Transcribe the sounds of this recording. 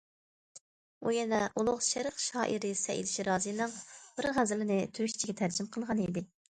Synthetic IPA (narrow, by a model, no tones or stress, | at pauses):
ṵjɛnɛʔulˠʊχʃɛɾəqʃɑ̰ːʔiɾɪsɛ̰ʔḭlɪʃiɾɑːzɨjnɨŋb̥ɪɾʁæzɪlɪnɪt̪ʰyɾyʃt͡ʃʰiɡʲɛt̪ʰæɾd͡ʒɪmqʰəlˠʁɑnid̪ɪ